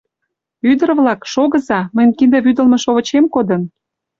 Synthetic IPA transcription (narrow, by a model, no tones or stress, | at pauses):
yd̪ə̆ɾβlɑkʃoɣə̆zɑməjnʲkind̪ĕβyd̪ə̆lmɤ̆ʃoβə̆t͡ɕemkod̪ə̆n